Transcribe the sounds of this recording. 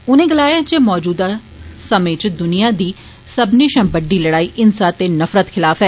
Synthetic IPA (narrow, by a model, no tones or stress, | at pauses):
ʊnẽːɡəlaːjaːd͡ʒeːmɔːd͡ʒuːd̪aː | səmẽːt͡ʃd̪ʊnɪjaːd̪iː | səbniʃãːbəɖːiːləɽaːiːʔɪnsaːt̪eːnəfɾət̪kʰɪlaːfɦɛː